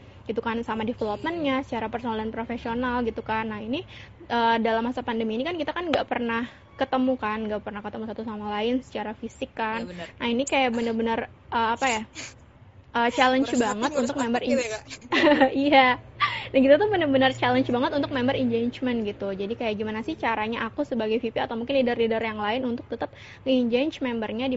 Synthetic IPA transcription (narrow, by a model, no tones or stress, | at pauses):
ɡ̥it̪ukansamadefəlop̚mənɲasə̥t͡ʃaɾapərsoalanpɾofesionalɡit̪ukanːaini | ʔəːdalamhasapandəmiːnikankit̪akanɡaʔpərnah | kət̪əmukanŋɡaʔpərnahkət̪əmusat̪usamalaɪnsə̥t͡ʃaɾafisɪkːanːainikajaʔbənərbənər | ʔəːapaja | ʔəːt͡ʃalənt͡ʃbaŋət̪unt̪ʊk̚mɛmbəri | ijadankit̪at̪ubənərbənərt͡ʃalənt͡ʃbaŋət̪unt̪ʊk̚mɛmbəɾiɲd͡ʒaɲt͡ʃmɛnɡit̪ud͡ʒadikajaʔɡimanasɪht͡ʃaɾaɲaʔakusəbaɡajfipiat̪awmuŋkɪnlidarlidarjaŋlaɪnunt̪ʊk̚t̪ət̪əp̚ | ŋəiɲd͡ʒant͡ʃmɛmbərɲadi